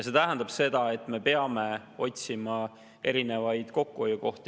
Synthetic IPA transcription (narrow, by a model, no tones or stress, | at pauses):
jset̪æɦænd̪ɑb̥se̞d̪̥ɑe̞t̪ːˑme̞peɑme̞ | o̞tʲsimɑ | e̞ɾine̞vɑjd̪̥ko̞kːuojuko̞ht̪i